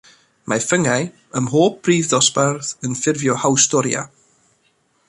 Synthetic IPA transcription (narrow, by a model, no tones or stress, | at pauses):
mʔafəŋaj | əmɦoːp̚riːvðɔsparðənfɪrvjɔhawstɔɾja̰